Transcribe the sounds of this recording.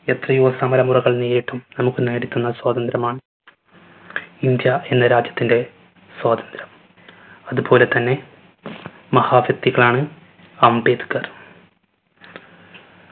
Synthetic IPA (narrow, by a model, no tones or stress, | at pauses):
et̪rɐjusɐmɐɾɐmurɐɣɐɭneːɾiʈːumnɐmukːɨne̞ːɽit̪ʲːunːɐswaːd̪ɐnd̪ɾɐmaːɳɨ | ind̪jɐe̞nːɐɾaːd͡ʑjɐt̪ːinde̞ | swaːd̪ɐnd̪ɾɐm | ɐðubo̞ːle̞t̪ɐnːe̞ | mɐhaːʋjɐk̚t̪ːiɣɐɭaːɳɨ | ɐmbeːd̪ukːɐr